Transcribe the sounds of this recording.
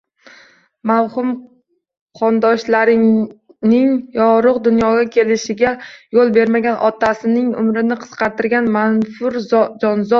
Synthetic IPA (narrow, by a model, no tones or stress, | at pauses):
mawhʊm | qʰɒnd̪ɒʃlaɾɪ | nɪŋjɒʁɾʊqd̪ʊnjɒɡʲakʲʰe̞lɪʃɪɡʲajolˠbe̞ɾmaɡʲanʔɒt̪ʰasɪnɪŋʊ̰mɾɪnɪqʰɨ̥sqʰɑɾt̪ʰɪɾɡʲanmanfʊɾd͡ʒɒnzɒ